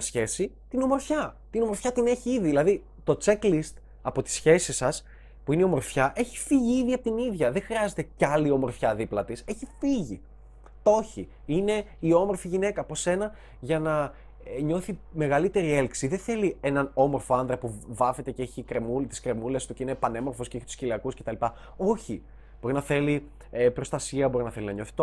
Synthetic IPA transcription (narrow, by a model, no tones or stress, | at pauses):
sçe̞si | t̪ino̞mo̞ɾfçɐt̪ino̞mo̞ɾfçɐt̪ine̞çiiðiðilɐði | t̪o̞t͡se̞klist̪ | ɐpo̞t̪i̥sçe̞sisɐs | puineio̞mo̞ɾfçɐʔe̞çi̥fiʝiiðiɐpot̪iniðʝɐðe̞xɾiɐze̞t̪e̞cɐlio̞mo̞ɾfçɐðiplɐt̪ise̞çifiʝḭ | t̪o̞çi | ine̞io̞mo̞ɾfiʝine̞kɐpo̞se̞nɐ | ʝɐnɐ | ɲo̞θime̞ɣɐlit̪e̞ɾielksiðeθe̞lie̞nɐno̞mo̞ɾfo̞ɐnðɾɐpuvɐfe̞t̪e̞ceeçikɾe̞mult̪i̥skɾe̞mule̞st̪uceine̞pɐne̞mo̞ɾfo̞sceeçi̥t̪u̥sciliɐkusce̞t̪ɐlipɐ | o̞çi | b̥o̞ɾinɐθe̞li | epɾo̞st̪ɐsiɐbo̞ɾinɐθelinɐɲo̞θi̥t̪o